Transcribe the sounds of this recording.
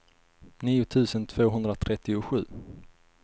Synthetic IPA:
niːʊt̪ʰʉ̟ːsənt̪ʰv̥oːɦɵnd̪ɾat̪ʰɾɛt̪ːɪʊɧʉ̟ː

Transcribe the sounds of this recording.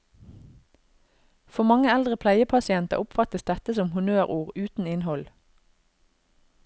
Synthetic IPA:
fɔmɑŋəɛld̪ʁəpʰlæɪəpʰɑsɪɛnt̪ə̰ʁʊpfɑt̪əsd̪ɛt̪əsɔmhʉnøːʁuːʁʉːt̪n̩ɪnhɔl

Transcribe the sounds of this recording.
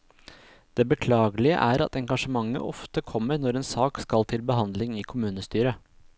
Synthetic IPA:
d̪̥eːbəkʰlɑːɡəlɪə̰ʔæːɾɑ̰t̪ɛŋɡɑʂəmɑŋːə̰ʔɔft̪əkʰɔmːəɾnɔɾeːnsɑːkskɑlt̪ʰɪlbəɦɑnd̪lɪŋɪkʰʊmʉːnəst̪yːɾə

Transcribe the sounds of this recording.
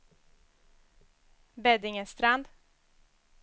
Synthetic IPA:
bɛd̪ɪŋəst̪ɾand̪

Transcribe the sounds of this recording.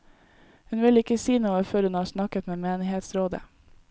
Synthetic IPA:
hʉnʋɪlɪkəsiːnuːəføːɾhʉnhɑːsnɑkət̪meːmeːnɪheːt̪sɾoːd̪ə̰

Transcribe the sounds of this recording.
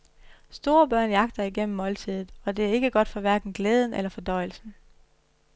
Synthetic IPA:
sd̥o̝ːɐb̥ɶɐ̰njɑ̈ɡ̥d̥ɐæɐiɡ̥en̰m̩ːɒ̽lt͡sʰið̞̰ˠð̩ˠɒ̽d̥e̝æɐe̝ɡ̥əɡ̥ɒ̽d̥fɒ̽ʋæɐɡ̥n̩ɡ̥leːð̞ˠn̩ʔelɐfɒ̽d̥ɒ̽ɪ̰l̩sn̩

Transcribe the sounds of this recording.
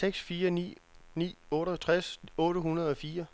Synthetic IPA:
seɡ̥sfiːɐnḭːnḭːɔ̽ːɾət͡sʰʁasɔ̽ːɾəhunɐð̞ˠɒ̽fiːɐ

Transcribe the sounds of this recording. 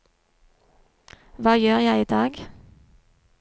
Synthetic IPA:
ʋɑːjøːʁjæɪiːd̪ɑːɡ

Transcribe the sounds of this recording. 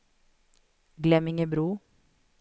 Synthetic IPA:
ɡlɛmɪŋəbɾuː

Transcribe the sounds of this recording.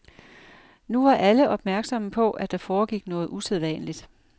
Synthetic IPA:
nuʋɑ̈ʔæləʔɒ̽b̥mæɐɡ̥sɒ̽məpʰɒ̽ʔæd̥ɑ̈fɒːɡ̥iɡ̥nɔ̽ːð̞̩ˠuseð̞ˠʋɛ̰ːnlid̥

